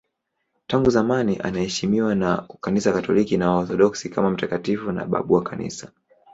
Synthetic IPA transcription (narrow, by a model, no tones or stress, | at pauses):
taŋɡuzamaniʔa̰nahɛʃimiwanakanisakatɔlikinawaɔθɔɗɔksikamam̩takatifuna̰ɓa̰ɓuwakanḭsḁ